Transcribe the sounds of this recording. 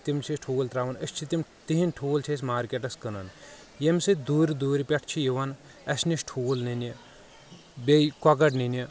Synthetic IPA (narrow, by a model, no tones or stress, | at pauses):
t̪imt͡ʃʰisʈʰoːlt̪ɾaʋɐnəsʲt͡ʃʰit̪imt̪iɦinʈʰuːlt͡ʃʰes̬ʲmaːɾkʲeʈɐskənɐn | jemʲsɨd̪uːɾd̪uːɾpʲɐʈʰt͡ʃʰijiʋɐn | ɐsnisʈʰuːlnini | bekwɐɡɐʈnini